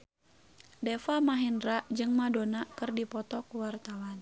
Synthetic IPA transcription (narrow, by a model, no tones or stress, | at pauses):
dɛfamaɦindɾaʔd͡ʒɨŋmadonakɨrdipɔt̪ɔkuwart̪awan